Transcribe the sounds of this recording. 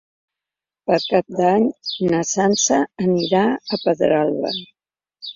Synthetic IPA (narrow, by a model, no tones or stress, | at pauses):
pəɾkap̚d̪aɲnəsansəəniɾaəpəðɾalˠβə̰